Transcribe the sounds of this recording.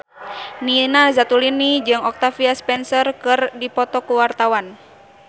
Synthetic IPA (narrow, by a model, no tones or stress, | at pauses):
ninazat̪ulinid͡ʒɨŋɔk̚t̪afiaspɛnsɔrkɨrdipɔt̪ɔkuwart̪awan